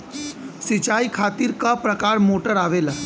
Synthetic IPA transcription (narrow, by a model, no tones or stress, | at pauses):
sɪt͡ʃaːikʰaːt̪ɪɾkapɾɐkaːɾmoːʈəɾaːʋeːla